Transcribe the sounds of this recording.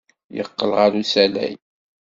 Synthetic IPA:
jə̰qːəlʁaɾusælæ̰j

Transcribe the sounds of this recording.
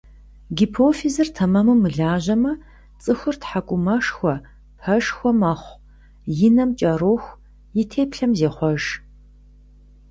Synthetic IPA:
ɡipʰoːfizɨrtʰɐmɐmɨmɨɮaːʑɐmɐ | t͡sʼɨxʷʊrtħakʷʼʊmɐʂxʷɔ | pʰɐʒxʷɔmɐχʷ | jɪnɐmt͡ʃʼɐɾoːxʷ | jɪtʰeːpɬɐmzeːχʷɔʒ

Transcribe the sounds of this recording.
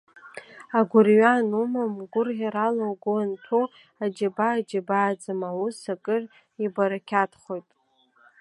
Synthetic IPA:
aɡʷʊrɥanumamɡʷʊrʁʲaɾalowɡʊantʰu | ad͡ʒabaːd͡ʒabaːd͡zɨmawusakʼɨr | ibaɾakʲʰatʰχo̞jtʼ

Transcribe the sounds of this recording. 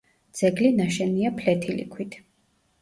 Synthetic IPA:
d̪z̥ɛɡlinaʃɛniapʰlɛt̪ʰilḭkʰwit̪ʰ

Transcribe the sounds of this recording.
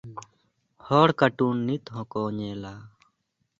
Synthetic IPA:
hɔːɽkəʈuːnːit̪ɦɔ̃kɔːɲɛːlaː

